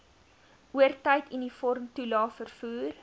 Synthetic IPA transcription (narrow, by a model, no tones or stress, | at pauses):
ʔuərtəjtinifɔrmtulɑːfərfuːr